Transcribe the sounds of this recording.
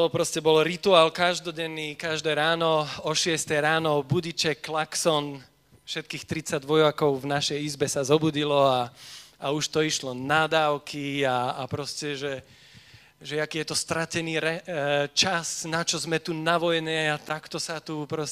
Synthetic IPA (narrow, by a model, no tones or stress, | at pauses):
ɔpɾɔscɛbɔlɾit̪uaːlkaʒd̪ɔɟɛnːiːkaʒd̪ɛːɾaːnɔɔʃɪɛst̪ɛjɾaːnɔbuɟit͡ʃɛkːlaksɔn | fʃɛt̪̚kiːxt̪ɾit͡saɟʋɔjʋakɔʊvnaʃɛjizbɛsazɔbuɟilɔaauʃt̪ɔiʃlɔnad̪aːʊkʰiaːpɾɔscɛʒɛ | ʒɛakiːjɛt̪ɔst̪ɾacɛniːɾɛt͡ʃasnat͡ʃɔzmɛt̪unaʋɔjnɛat̪akt̪ɔsat̪upɾɔs